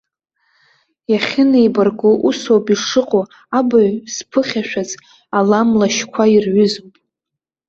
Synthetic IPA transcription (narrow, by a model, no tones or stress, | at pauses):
jaχʲɪneibarɡʼoʔusowpʼiʂɨqʼo | abaɥspʰɨχʲaʃᶣazʼ | alamlaʃkʷʰairʕʏzopʼ